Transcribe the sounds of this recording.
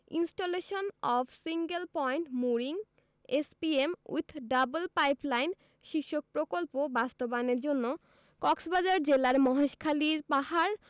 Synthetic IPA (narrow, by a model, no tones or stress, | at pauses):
ḭnsʈoleʃonɔfʰsiŋɡelpɔjɳʈmuɾiŋ | espiemṵt̪ʰːɖabolpajplajn | ʃiʃːok̚pɾokolpobast̪obaneɾd͡ʑonːo | kɔksbad͡ʑaɾd͡ʑelaɾmɔɦeʃkʰaliɾpaɦaɾ